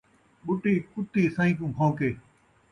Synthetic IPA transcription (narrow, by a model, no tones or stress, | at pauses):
ɓʊʈiːkʊt̪iːsãːĩːkũːbʰʱãːkeː